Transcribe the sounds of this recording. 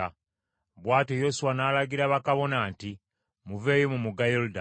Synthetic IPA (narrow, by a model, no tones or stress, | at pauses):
a | βwaːtejosuwanaːlaɡiɾaβakaβo̞naːnti | muve̞ːjomumuɡajoluda